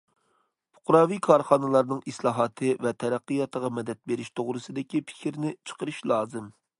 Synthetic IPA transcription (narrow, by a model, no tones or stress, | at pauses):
pʰʊ̥qɾɑːvikʰɑɾχɑnɨlˠɑɾnɨŋislˠɑːɦɑt̪ʰɨvɛt̪ʰɛɾæqːɨjɑt̪əʁɑmɛd̪ɛt̪̚beɾɪʃt̪ʰoʁɾɨsɨd̪ɪkʲipʰɪ̥kʲɾnɪt͡ʃʰə̥qəɾɨʃlˠɑːzɨm